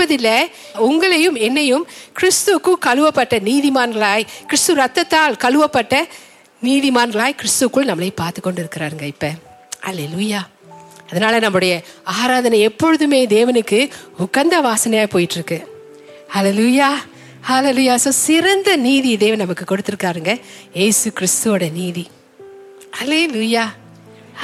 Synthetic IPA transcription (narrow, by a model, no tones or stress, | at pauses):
pɐðɪlːɐ | ʊŋɡɐɭɐjɯmɛnːɐjɯmkɪɾɪst̪ɯkːɯkɐɻɯʋɐpːɐʈːɐniːðɪmaːnɡɐɭaːjkɪɾɪst̪ɯɾɐt̪ːɐt̪ːaːlkɐɻɯʋɐpːɐʈːɐ | niːðɪmaːnɡɐɭaːjkɪɾɪst̪ɯkːɯɭnɐmːɐɭɐɪpːaːɾt̪ɯkːɔɳɖɪɾɯkːɪɾaːɾɯŋɡɐɪpːɐ | hɐlelujaː | ɐðɐnaːlɐnɐmːɯɽɐjɐaːɾaːðɐnɐɛpːɔɻɯðɯmeːd̪eːʋɐnɯkːɯʊkːɐnd̪ɐʋaːsɐnɐjaːjpoːjɪʈːɪɾɯkːɯ | hɐlelujaː | hɐleluːjaːsoːsɪɾɐnd̪ɐniːðid̪eːʋɐnɐmɐkːɯkɔɽɯt̪ːɯɾɯkːaːɾɯŋɡɐ | jeːsɯkɪɾɪst̪ɯːɽɐɐniːði | hɐleluːjaː